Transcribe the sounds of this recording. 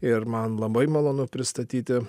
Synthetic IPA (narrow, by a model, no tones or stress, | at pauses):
ɪɾmɐnlˠɐbɐɪmɐlˠoːnʊpʲɾʲɪst̪ɐt̪ʲiːt̪ʲɪ